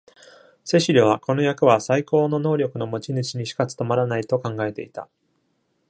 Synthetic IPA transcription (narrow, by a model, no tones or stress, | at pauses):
se̞ɕiɾʲoβ̞ako̞no̞jakɯ̟βasaiko̞ːno̞no̞ːɾʲo̞kɯ̟no̞mo̞t͡ɕinɯ̟t͡ɕiɲ̟iɕi̥kat͡sɨ̥t̪o̞maɾanait̪o̞kãŋɡae̞t̪e̞̰it̪a̰